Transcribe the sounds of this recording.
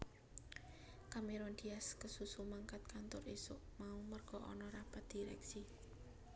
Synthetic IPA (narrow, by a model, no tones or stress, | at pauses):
kameɾond̪̥iaskəsusumaŋkat̪̚kant̪ʊrisʊʔmaumərɡ̥ɔ̤ʔɔ̰nɔɾapat̪̚d̪̥i̤ɾɛ̰ksi